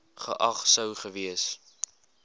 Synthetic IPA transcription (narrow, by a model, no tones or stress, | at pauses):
χə̰ʔɐχsəwχəviəs